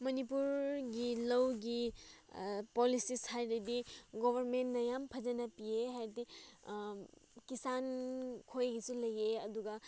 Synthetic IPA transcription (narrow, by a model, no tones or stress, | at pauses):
mɐnipuɾɡilɐwɡi | polisishajdɐdiɡobʱɐɾmentnɐjampʰɐd͡ʒɐnɐpieɦajɾdi | kisankʰojɡisulɐjeɐduɡa